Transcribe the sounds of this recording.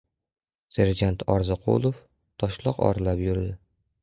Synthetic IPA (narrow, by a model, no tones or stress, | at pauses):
seɾd͡ʒant̪ʰɒɾzɨqʰo̰lˠof | t̪ʰɒʃlˠɒqɒ̰ɾlapjʊɾd̪ɪ